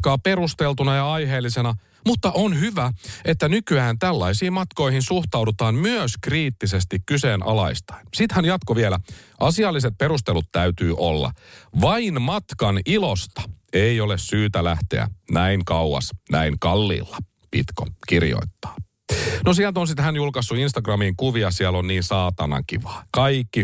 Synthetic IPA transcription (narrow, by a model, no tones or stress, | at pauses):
kɑːpeɾust̪elt̪unɑjɑɑjɦe̞ːlːisenɑ | mut̪ːɑʔonhyʋæet̪ːænykyæːnt̪ælːɑisiːmmɑt̪ko̞ihinsuht̪ɑwdut̪ɑːmmyøskriːt̪ːisest̪ikkyseːnʔɑ̰lɑist̪ɑ̥insit̪hænjɑt̪koʋielæʔɑsiɑlːiset̪̚pe̞ɾust̪elut̪t̪æyt̪yːʔolːɑ̰ʋɑinmɑt̪kɑnilost̪ɑ̥eiolessyːt̪ælæht̪e̞̰æ̰næiŋkɑuɑ̰snæiŋkɑlːḭːlːɑ̥ | pḭt̪ko̰kirjo̰it̪ːɑ̥ː | nosiælt̪onsit̪hænjulkɑsːuinst̪ɑɡrɑmiŋkuʋiɑsiælonniːnsɑːt̪ɑ̰nɑ̰ŋkḭʋɑ̥ːkɑikːi